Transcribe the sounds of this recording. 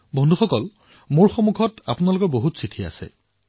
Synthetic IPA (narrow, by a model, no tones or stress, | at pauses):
bɔndʱuxɔkɔl | moɹxomuɡʱɔta̰pʊnalʊkɔɹboɦutsitʰia̰sɛ̰